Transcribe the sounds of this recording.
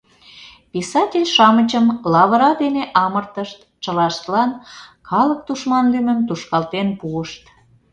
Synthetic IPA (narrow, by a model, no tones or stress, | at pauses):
pisɑtʲelʲʃɑmət͡ɕəmlɑβəɾɑd̪eneʔɑmərt̪əʃt̪ | t͡ɕəlɑʃt̪lɑnkʰɑlək̚t̪uʃmɑnlymə̆mt̪uʃkɑlt̪enpuəʃt̪